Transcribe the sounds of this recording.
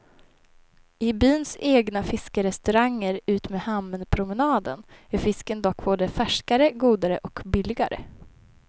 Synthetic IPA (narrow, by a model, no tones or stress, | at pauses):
ɪbyːnseːɡnafɪskəɾɛst̪ɵɾaŋːəɾʉ̟ːt̪meːhamːənpʰɾʊmənɑːd̪ə̰næɾfɪskənd̪ɔkːboːd̪əfæʂkaɾəɡuːd̪aɾəʔɔkbɪlɪɡaɾə̰